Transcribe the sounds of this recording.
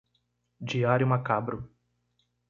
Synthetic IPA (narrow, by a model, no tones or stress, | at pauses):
d͡ʒiaɾjʊmakabɾʊ